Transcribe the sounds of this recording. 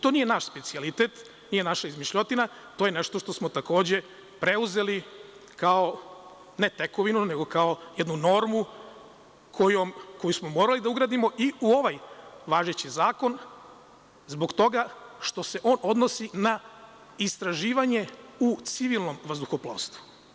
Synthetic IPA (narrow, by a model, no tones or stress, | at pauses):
t̪o̞nije̞naʃspe̞t̪sialit̪e̞t̪ | nije̞naʃaizmiʃʎo̞t̪ina | t̪ojene̞ʃt̪o̞ʃt̪o̞smo̞t̪ako̞ːd͡ʑe̞ | pɾe̞uze̞likao̞ | ne̞t̪e̞ko̞ʋinune̞ɡo̞kao̞jed̪nuno̞ɾmu | kʰojomko̞jusmo̞moɾalid̪auɡɾaːd̪imo̞ʔiuo̞ʋajʋaːʒet͡ɕizaːko̞n | zbo̞kt̪o̞ɡaʃt̪o̞se̞ʔo̞ːno̞d̪no̞sina | ist̪ɾaʒiːʋaɲe̞ut̪siʋilˠno̞mʋazd̪uxoplˠo̰st̪ʋu̥